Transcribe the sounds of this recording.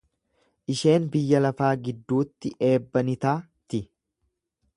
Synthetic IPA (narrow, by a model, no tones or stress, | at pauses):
ʔɪʃe̞ːnbɪjːɐlɐfaːɡɪd̪ːuːt̪ːɪʔe̞ːbːɐnɪt̪aː | t̪ɪ